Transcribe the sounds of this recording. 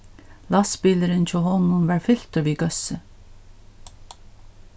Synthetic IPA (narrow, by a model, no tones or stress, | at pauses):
lɑspɪləɾənc͡çoːhɔnʊmʋæːɹfʏl̥t̪əʋiːɡœsə